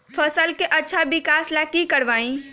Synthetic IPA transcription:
pʰəsəlkeʔətːʃʰabɪkaːslakikəɽʋaːĩ

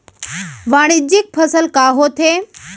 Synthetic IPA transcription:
ʋaɽ̃id͡ʑik̚pʰəsəlkaɦot̪ʰe

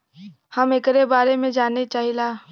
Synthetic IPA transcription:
hɐmekɾebaːɾemẽd͡ʒaːnet͡ʃaːɦilaː

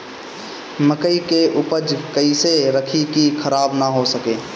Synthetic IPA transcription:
məkəikeʔʊpəd͡ʒkəiseɾəkʰikikʰəɾaːbnaɦosəkeː

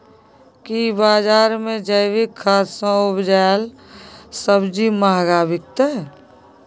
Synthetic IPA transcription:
kibaːd͡ʒaːɾmẽd͡ʒəɪʋɪkʰːaːt̪sãʊbd͡ʒal | səbd͡ʒimaɦɡaːbɪk̚t̪əɦɛ

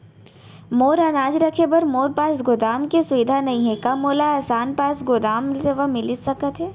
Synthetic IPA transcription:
moːɾɐnaːd͡ʒɾɐkʰepɐɾmoːɾpaːsɡʊd̪aːmkesʊʋid̪ʱanɐɦĩɦɛkaːmoːlaaːsaːnpaːsɡʊd̪aːmseʋɐmɪlɪsɐkət̪ɦɛː

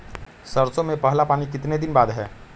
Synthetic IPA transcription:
sɐɾsõmẽpɐɦlapaːnikɪt̪ned̪ɪnbaːd̪ɦɛ̰ː

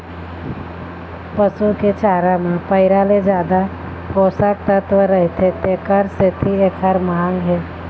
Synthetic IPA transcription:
pəsuket͡ʃaːɾamepəɪɾaled͡ʒjaːd̪a | koːsək̚t̪ət̪ʋəɾəɦit̪ʰet̪eːkəɾset̪ʰieːkʰəɾmãːŋɡɦeː

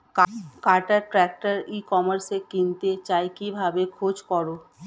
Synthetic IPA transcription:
kkaːɾʈəɾʈɾɛk̚ʈəɾikɔːməɾsekĩnt̪et͡ʃaːjkibʱabekʰoːt͡ʃkɔɾo

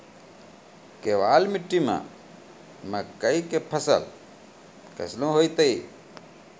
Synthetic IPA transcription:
keʋaːlmɪʈːimã̰ː | məkəikepʰəsə̰l | kʰḛslõːɦoːit̪əi

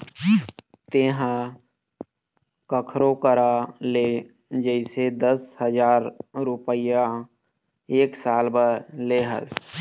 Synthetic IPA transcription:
t̪eɦə̃ | kəkʰɾokəɾale | d͡ʒəɪsed̪əshəd͡ʒaːɾɾʊpəja | eːksaːlbəɾleɦə̰s

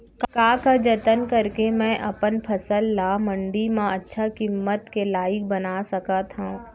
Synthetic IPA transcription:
kkaːkad͡ʒɐt̪ənkɐɾkemɛ̃ʔɐpənpʰɐsəlːaːmɐ̃ɳɖimãɐtːʃʰakimːət̪kelaːɪk̚bɐnaːsɐkat̪ʰãː

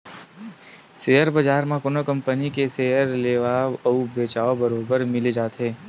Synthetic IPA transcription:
seːəɾbɐd͡ʒaːɾmãkʊnokɐ̃mpənikeseːjəɾleːʋaːɐubeːt͡ʃaːobɐɾoːbəɾmɪled͡ʒaːt̪ɦẽː

